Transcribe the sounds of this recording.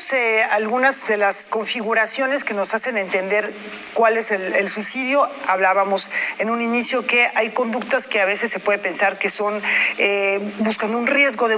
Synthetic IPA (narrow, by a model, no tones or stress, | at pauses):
sealɣunazðe̞lasko̞ɱfiɣuɾasjo̞ne̞ske̞no̞sase̞ne̞nt̪end̪e̞ɾ | kwale̞selelswisiðjo̞aβlaβamo̞se̞nũninisjo̞ke̞ʔajko̞nd̪uk̚t̪aske̞aβe̞se̞sːe̞pwe̞ðe̞pe̞nsaɾke̞so̞nebuskand̪ounrje̞zɣo̞ðe